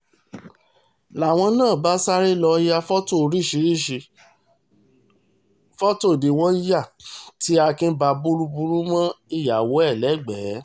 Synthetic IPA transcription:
la˨w̃ɔ̃˧nãː˦˨ba˦sa˦ɾe˦lɔ˧ja˧fɔ˦to˦˨ɾi˦˨ʃi˨˧˦ɾi˦˨ʃi˧ | fɔ˦to˦˨de˨w̃ɔ̃˦ja˦˨ti˨˦a˧kĩ˦n̩˦ba˧bu˦ɾu˦bu˧ɾu˦mã˦i˦˨ja˨wo˨˦ɛ˦˨lɛ˨˦ɡ͡bɛː˨˦

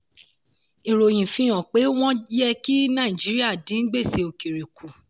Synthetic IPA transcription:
i˨ɾo˨j̃ĩ˨fĩ˧j̃ɔ̃˨k͡pe˨˦w̃ɔ̃˦jɛ˧ki˦nã˦˨i˨d͡ʒi˨˦ɾi˦a˦˨dĩ˨˦n̩˦ɡ͡be˦˨se˧o˨ki˨ɾi˨ku˨

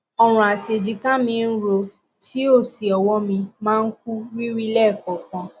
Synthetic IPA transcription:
ɔ˦ɾ̃ũ˨a˨se˨d͡ʒi˧kã˦mĩ˧n̩˦ɾo˧ | tʰi˨˦o˦˨si˨ɔ˨wɔ˦mĩ˧mãː˦˧n̩˦k̚u˦wi˦ɾi˦lɛ˦˨kɔ˨kã˧

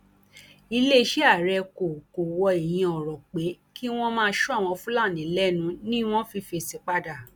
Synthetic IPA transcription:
i˧le˦˧ʃɛ˦a˦˨ɾɛ˧ko˨ko˨wɔ˧e˨j̃ĩ˧ɔ˨ɾɔ˨k͡pe˨˦ | kʰi˦w̃ɔ̃˦mãː˦˧˦ʃu˦a˦˨w̃ɔ̃˧fũ˦la˦˨nĩ˨˦lɛ˦nũ˧˦nĩ˦w̃ɔ̃˦fi˧fe˧˨se˧˦k͡pa˦da˦˨

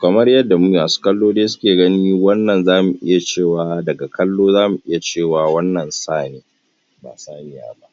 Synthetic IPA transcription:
kɐ˨mɐ˦rjɐ˦dːa˨mu˦ja˨su̥˦kʼɐ˦lːoː˦deː˦sʊ̥˦kʲeː˨ɡɐ˦niː˦wɐ˦nːɐ˨nzaː˦mu˨ʔɪ̰˦ja˨t͡ʃeː˦˨waː˨dɐ˨ɡa˨kʰɐ˦lːoː˦zaː˦mu˨ʔɪ˦ja˨t͡ʃeː˦˨waː˨wɐ˦nːɐ˨nsaː˦˨neː˨ | ba̰ː˨saː˦ɲɪ˦ja̰ː˦ba˦ʔ

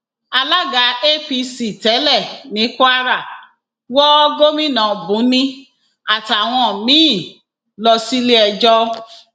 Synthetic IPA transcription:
a˧la˦ɡa˨˦e˦fi˧si˨tɛ˨˦lɛ˦˨nĩ˨˦ka˦ɾa˦˨ | wɔ˦ɡo˦mĩ˦˨nã˨bũ˨˦nĩ˦ | a˨ta˨w̃ɔ̃˧˨mĩ˦˨ | lɔ˧si˦le˦ɛ˧d͡ʒɔ˦

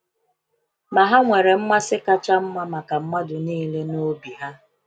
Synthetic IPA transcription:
ma˨ɦa˦ŋʷe˨ɾe˨m̩˦ma˦sɪ˦ka˦t͡ʃa˦m̩˦ma˦ma˨ka˨m̩˦ma˦dʊ˨niː˦le˦no˦bi˨ɦa˦

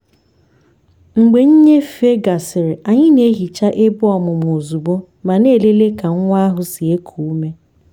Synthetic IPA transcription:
ŋ͡m̩˨ɡ͡be˨ɲ̩˦ɲe˦fe˦ɡa˨sɪ˨ɾɪ˨ʔa˨ɲɪ˦ne˦ɦi˨t͡ʃa˦ʔe˦bʊ˦ɔ˨mʊ˨m˨o˨zu˨bo˦ | ma˨ne˦˨le˦le˦ka˨ŋ̩˦ŋʷ˦a˦ɦʊ˦si˨e˦kʰu˨u˦me˦

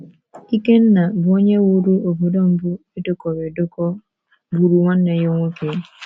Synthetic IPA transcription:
ki˦ke˦nːa˨bɔ˦ɲe˦wu˦ɾu˦o˨bu˨do˦m˦bʊ˦e˦do˦kɔ˨ɾe˨do˦kɔ˦ | bu˨ɾu˨wa˦nːɛ˨jo˦ŋo˦ke˨

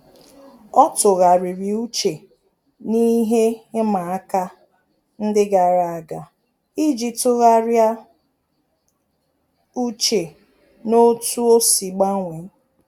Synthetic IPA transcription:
ɔ˦tʊ˨ɣa˨ɾi˨ɾi˨u˦t͡ʃe˨ | ni˦ɦe˦ɪ˦ma˨a˦ka˦ | n̩˦dɪ˦ɡa˨ɾa˨a˨ɡa˨ | i˦d͡ʒi˨tʊ˦ɣa˦ɾja˦ | u˦t͡ʃe˨ | no˦tu˦o˦si˨ɡ͡ba˦ŋʷe˨˦

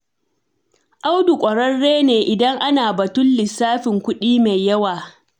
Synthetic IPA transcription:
ʔa˦wdu˨kʷʼɐ˨ɽɐ˦rːeː˦neː˨ʔɪ˨dɐ˦ŋʔa˦naː˨bɐ˨tʊ˦nlɪ˨sːaː˦ɸɪ˨ŋkʷʊ˦ɗiː˦me˨jjɐ˦waː˨

